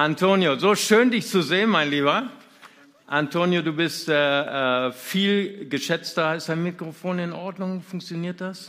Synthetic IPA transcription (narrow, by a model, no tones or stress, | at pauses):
ʔantʰoːnjozoːʃøːndɪçt͡suzeːənmaɪnliːβɐ | ʔantʰoːnjoduːbɪstʔɛːɛːfiːlɡəʃɛt͡stɐalstd̥aɪnmɪkʁ̥ofoːnɪnʔɔɐdnʊŋfʊŋk̚t͡sjoniːɐt̚d̥as